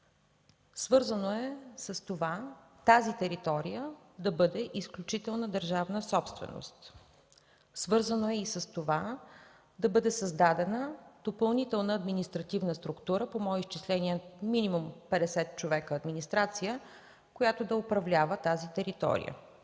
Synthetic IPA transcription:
svɤɾzənoɛsəst̪ovat̪azit̪ɛɾit̪ɔɾijə | d̪ɐbɤd̪ɛʔisklʲut͡ʃit̪ɛlˠnəd̪əɾʒavnəsɔpst̪vɛ̰no̰st̪ | svɤɾzənoɛisəst̪ova | d̪ɐbɤd̪ɛsɐzd̪ad̪ɛnəd̪̥opɐlˠnit̪ɛlˠnəːd̪minist̪ɾɐt̪ivnəst̪ɾukt̪uɾəpomɔɛist͡ʃislɛnʲiɛminimumpɛd̪ɛsɛt̪̚t͡ʃovɛkəːd̪minist̪ɾat̪sijə | kojat̪od̪ɐopɾɐvlʲavət̪azit̪ɛɾit̪ɔ̰ɾḭjə̰

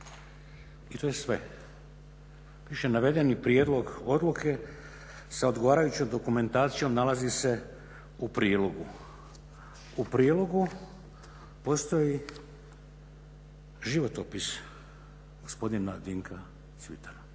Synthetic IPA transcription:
it̪ojesʋe̞̰ | ʋiʃenaʋe̞d̪e̞nipɾijed̪lˠo̞ɡo̞d̪lukʰe̞ | sao̞d̪ɡoʋaːɾajut͡ɕomd̪o̞kume̞nt̪aːt̪sijo̞mnalazise̞ | upɾiːdlo̞ɡu | upɾiːlo̞ɡu | po̞st̪o̞ji | ʒiʋo̞t̪o̞pis | ɡ̥o̞spo̞d̪inad̪iŋkʰa | t̪sʋḭt̪aɾ

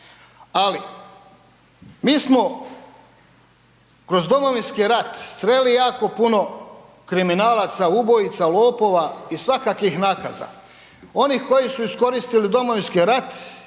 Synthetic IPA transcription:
ali | miːsmo̞ | kɾo̞zd̪o̞mo̞ʋinskiɾat̪st̪ɾelijaːko̞puno̞ | kɾiminaːlaːt̪saubo̞jit̪salo̞ːpo̞ːʋaisʋakakixnaːka̰za̰ | o̞nixko̞jisuisko̞ɾist̪ilid̪o̞moʋinskiɾat̪

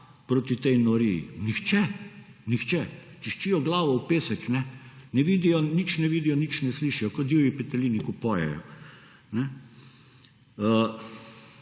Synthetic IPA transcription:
pɾoːt̪it̪ɛjnɔɾijḭnixt͡ʃɛ | nixt͡ʃɛ | t͡ʃiʃt͡ʃiːjɔɡlaːʋɔwpeːsɛknɛnɛʋiːd̪ijɔnit͡ʃnɛʋiːd̪ijɔnit͡ʃnɛsliːʃijɔkɔd̪jiwjipɛt̪ɛliːnikupɔjɛ̰jɔ̰ | nɛ | ə

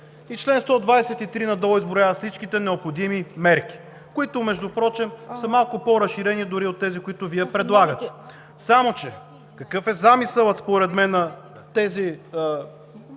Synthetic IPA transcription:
it͡ʃlɛnst̪ɔd̪vajsɛt̪it̪ɾinɐd̪ɔizbɾojavət̪slit͡ʃkit̪ɛnɛopxod̪imimɛɾk̟i̥ | koit̪ʊmɛʒd̪ʊpɾɔt͡ʃɛmsəmalˠkʊpɔɾɐsʃiɾɛnid̪ʊɾiot̪ːɛzikʊit̪ʊviɛpɾɛd̪lˠaɡət̪ɛ̥ | samot͡ʃɛ | kɐkɤfɛzamisəlˠət̪spoɾɛt̪mɛnːɐ | t̪ɛziə

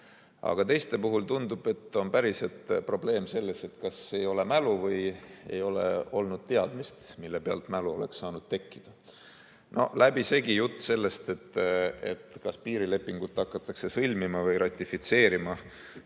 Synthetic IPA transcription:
ɑ̰ɡ̥ɑt̪e̞jst̪epuɦult̪und̪ub̥e̞t̪ːˑo̞npæɾiset̪pro̞ble̞ːmse̞lːe̞se̞t̪kɑse̞jo̞le̞mæluvɤjḛjo̞le̞̰o̞lnud̪̥t̪e̞ɑd̪mist̪milːepe̞ɑ̰lt̪mæluo̞̰lekssɑːnud̪̥t̪e̞kːid̪̥ɑ | no̞̰læbise̞ɡijut̪ːse̞lːe̞st̪e̞t̪ːḛt̪kɑspiːɾile̞pːˑiŋɡ̥ut̪ːˑɑkːˑɑt̪ːˑɑkse̞sɤlʲmimɑvɯjɾɑt̪ʲːˑifit̪se̞ːɾimɑ

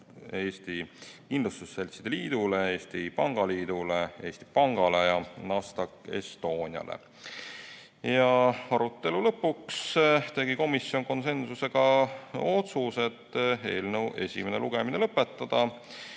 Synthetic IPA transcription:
e̞ːst̪ikinlust̪usːelʲsid̪̥e̞liːd̪̥ulee̞ːst̪ipɑŋɡ̥ɑliːd̪̥ule̞e̞ːsʲt̪i̥pɑŋɡ̥ɑle̞jɑnɑst̪ɑkːˑe̞st̪o̞ːnʲiɑ̰lḛ | jɑɑɾut̪ːe̞lulɤpːukst̪e̞ɡiko̞misːjo̞ŋko̞nse̞nsuse̞ɡ̥ɑo̞t̪suse̞t̪ːe̞̰ːlnəwʔe̞̰sʲḭme̞neluɡ̥e̞mine̞lɤpːˑe̞t̪ˑːɑd̪̥ɑ

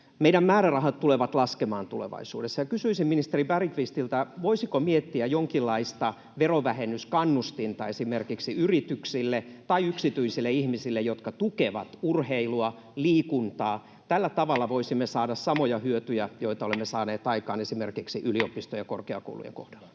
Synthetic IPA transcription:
meiɾæmmæːɾærɑhɑt̪t̪uleʋɑt̪lɑskemɑːnt̪ulḛʋɑ̰isṵːdesːɑjɑkysyisimminist̪eribærikʋist̪ilt̪æʋoisikomiet̪ːiæjoŋkilːɑist̪ɑ | ʋeroʋæhenːˑyskɑnːust̪int̪ɑ̰esimerkiksiyrit̪yksilːet̪ɑiyksit̪yisilːeihmisilːejot̪kɑt̪ukeʋɑ̰t̪urheiluɑ | liːkunt̪ɑː | t̪ælːæt̪ɑʋɑlːɑʋoisimːesɑːdɑssɑmojɑhyøt̪yjæjoit̪ɑolemːesɑːneːt̪ɑikɑːnesimerkiksiʔyliopist̪ojɑkorkeɑ̰ko̰ulṵjḛŋko̰hd̥ɑl̥ːɑ

